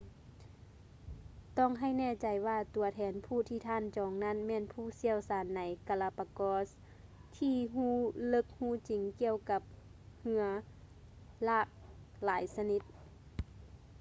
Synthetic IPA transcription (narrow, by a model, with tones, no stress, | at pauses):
t̪ɔː˧˥˩ŋɦa˧˩˨jnɛː˧˩˨t͡ɕa˨˦jwaː˧˩t̪u˨˩˦ɐt̪ʰɛː˨˧˦npʰuː˧˩t̪ʰiː˧˩t̪ʰaː˧˥˨nt͡ɕɔː˨˦ŋna˧˥˨nmɛː˧˥˨npʰuː˧˥˩si˧˥˨əwsaː˨˦nːa˨˦jka˧la˧pa˧kɔː˧˥s | t̪ʰiː˧ɦuː˧˥˩lɤ˧˦k̚huː˧˥˨t͡ɕi˨˦ŋki˧˨əwka˧˦p̚ | hɯ˧ɐ | laː˧˩k̚laː˨˦jsa˧ni˧˥t̪̚